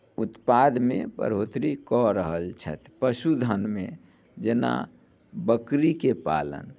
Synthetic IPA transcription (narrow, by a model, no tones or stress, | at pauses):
ʊt̪pad̪mḛ̃pə̰ɾoːt̪ɾikɔɾəɦəlt͡ʃʰə̰t̪ʰpəsud̪ʱənmẽ | d͡ʒena̰ | bəkɾikepa̰ːlə̰n